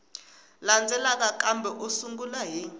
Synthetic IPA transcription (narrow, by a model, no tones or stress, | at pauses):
land͡zʱɛlak̬ʼak̬ʼambʱɛʔusuŋɡulaɦi